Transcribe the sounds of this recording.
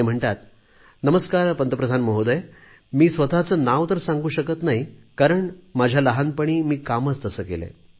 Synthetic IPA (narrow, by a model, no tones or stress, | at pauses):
em̤əɳʈ̪at̪ | nəməskaɾpənt̪əpɾəd̪ʱanməɦod̪əj | miːsʋət̪at͡səːnaʋt̪əɾsãŋɡuːɕəkət̪naɦikaɾəɳmad͡ʑʱjaləɦanpəɳ̃iːmiːkamət͡st̪əsəːkḛlḛ